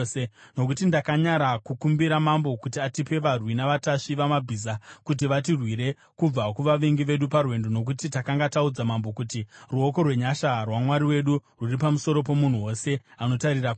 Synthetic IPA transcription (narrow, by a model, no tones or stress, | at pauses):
eno̞k̬utindakaɲaɾakukumbiɾamambo̞kutiatipe̞ʋarwinaʋataʂiʋamabʱiːzakut̬iʋatirwiɾe̞ | kub͡vakuʋaʋeŋɡiʋe̞ɗuparwe̞ndo̞no̞k̬utitakaŋɡataud͡zamambo̞kutiruo̞ko̞rwe̞ɲaʃarwamwaɾiwe̞ɗururipamuso̞ɾo̞p̬o̞mun̤uwo̞se̞ano̞taɾira